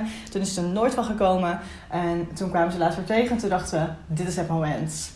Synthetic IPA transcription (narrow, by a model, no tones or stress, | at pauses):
tunɪsətənoːɹtʋɑlˠχəkowmən | ʔɛntunkʋaːməzəlaːtsʋaɹtejχənɛntundɑχtəʋədɪtɪsɦɛtmomɛnt